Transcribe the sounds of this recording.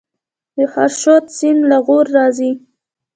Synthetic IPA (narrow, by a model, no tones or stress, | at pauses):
d̪əxa̰ɾʃot̪simlaɣoɾːɑzi